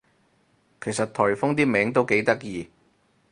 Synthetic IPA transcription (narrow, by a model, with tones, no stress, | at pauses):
kʰe˨˩jsɐ˨t̚t̪ʰɔː˨˩jfʊ˥ŋt̪iː˥mɛː˨˥ŋt̪̬o˥wke˨˥jt̪ɐ˥k̚jiː˨˧